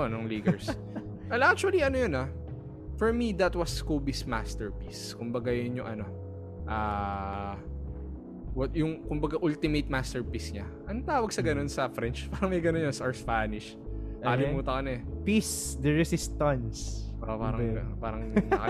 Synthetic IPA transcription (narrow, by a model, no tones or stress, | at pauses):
onʊŋliːɡɹs | ɛlʔak̚t͡ʃʊɐliɐnojʊna | fɔɹmid̪ɐt̪wɐskobisma̰st̪ɛɹpiskʊmbɐɡajʊnjʊŋʔɐno̞ | ʔaː | wɐjʊŋkʊmbɐɡaʔʊlt̪ɪmejt̪̚mast̪ɛɹpisɲaʔɐnt̪aːwɐɡ̚sɐɡɐno̞nsɐfɾɛnt͡ʃpaːɾɐŋmɐjɡɐnonjonsɐʔɐɹspaːnɪʃ | ɐɐlɪmmuːt̪ɐkɐnɐɛpisd̪ɛɹɛsɪst̪ɐnsʔopaːɾɐpaːɾɐŋnɐkɐ